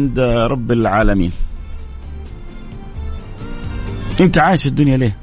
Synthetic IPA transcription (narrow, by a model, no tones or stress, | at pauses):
nd̪ɾˤɑbːɪlʕaːlamḭːn | ʔɪnt̪aʕaːjɪʃɪd̪ːʊnjaliː